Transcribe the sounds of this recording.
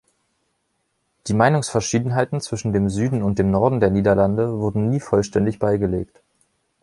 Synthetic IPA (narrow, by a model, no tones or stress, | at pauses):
d̥iːmaɪnʊŋsfɛɐʃiːdn̩ɦaɪtn̩t͡sv̥ɪʃn̩deːmzyːdn̩ʊntd̥eːmnɔɐdn̩deːɐniːdɐlandəvʊɐdn̩niːfɔlʃtɛndɪçb̥aɪɡəleːkt